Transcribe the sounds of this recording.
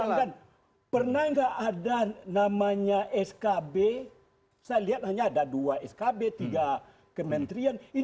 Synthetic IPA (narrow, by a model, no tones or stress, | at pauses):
aŋkan | pərnahŋɡaʔːdanamaɲaʔɛskabe | sajaliɦat̪̚naɲaːdaduaɛskabet̪iɡa | kəmənt̪ɾiani